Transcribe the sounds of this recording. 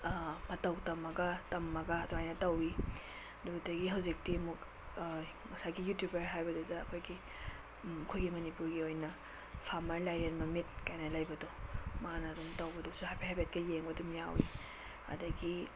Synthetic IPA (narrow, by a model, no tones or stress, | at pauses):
mɐtɐwtɐmɐɡɐtɐmːɐɡɐːdɔajnɐtɐwi | dudɐɡiɦɐwzik̚timuk | ŋɐsaɡijutjubeɾɦajbɐdudɐːkʰojɡi | kʰojɡimɐnipuɾɡiojnɐ | sʰamɐɾlajɾenmɐmit̚kajnɐlajbɐdɔmanɐdumtɐwbɐdusuhajpʰaɦabet̚kɐjeŋbɐdumjawi | ɐ̰dɐɡi